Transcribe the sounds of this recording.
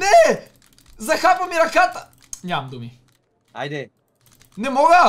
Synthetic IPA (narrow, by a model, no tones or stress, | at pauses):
nɛ | zɐxapɐmiɾɐkat̪ə | nʲaɐmd̪umi | a̰jd̪ɛ | nɛmɔɡə